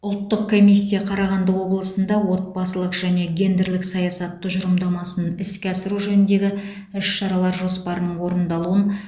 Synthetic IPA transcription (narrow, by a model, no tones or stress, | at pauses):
ʊlˠt̪ːəq̚kʰːo̞mʲijsʲːijɑqʰɑɾɑʁɑnd̪əwo̞blˠəsənd̪ɑwo̞t̪̚bɑsəlˠəqʒ̥æne̞ɡʲe̞nd̪ɪɾlɪksɑjɑsɑt̪ːəʒʊɾəmd̪ɑmɑsənɪskʲeɑsɪɾuʒɵnɪnd̪e̞ɡʲɪ | ʏʃʃɑɾɑlˠɑɾʒo̞spɑɾənəɴwo̞ɾənd̪ɑlˠuən